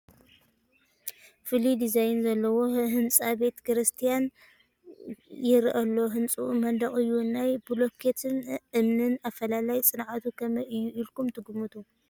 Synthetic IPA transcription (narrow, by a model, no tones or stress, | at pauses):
fɨlid̪izajnzɐlːɐwo̞hɨnt͡sʼabe̞t̪kɨɾɨst̪ʰijan | jɪɾʔɐlːo̞ɦɨnt͡sʼuʔmɐnd̪ɐχʼɨjːunajbulokʰet̪ʰɨnʔɨmnɨnafɐlalajt͡sʼɨnʕat̪ʰukʰɐmɐʔɨjːuʔilkumt̪ʰɨɡumɨt̪ʰu